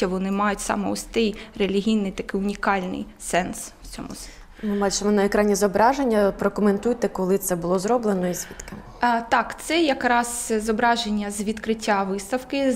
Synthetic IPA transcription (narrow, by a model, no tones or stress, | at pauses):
ɐʋɔnɪmɑjʊtʲsɑ̰mɛ̰ɔsʲt̪ɪjrelʲiɦʲijnɪjt̪ɐkɪjʊnʲikɑlʲnɪ̰j | sɛnswt͡sʲɔ̰mʊ̰ | mɪbɑt͡ʃɪmɔnɐekɾɑnʲizɔbɾɑʒenʲːɐpɾɔkɔment̪ujt̪ɛkɔlˠɪt̪sɛbʊlˠɔzɾɔblˠenɔizʲʋʲit̪kɪ | t̪ɑkt̪sɛjɐkɾɑz̥zɔbɾɑʒenʲːɐzʋʲid̪kɾɪtʲːaʋɪst̪ɐwkɪ